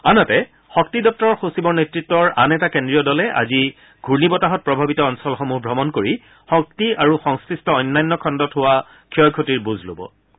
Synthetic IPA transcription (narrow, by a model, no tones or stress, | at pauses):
anatɛ | xɔktidɔp̚tɔɹɔxosibɔɹnetɹitːɔɹʔanɛtakendɹijɔdɔlɛʔa̰zi | ɡʱuɹnibɔtaɦɔt̚pɹɔbʱabitɔɔnsɔlxomuɦbʱɹɔmɔnkoɹi | xɔk̚tiaɹuxɔŋskɹistɔɔjnːajnːɔkʰɔndɔtɦowa | kʰiɔjkʰotiɹbuzʱlo̰bɔ̰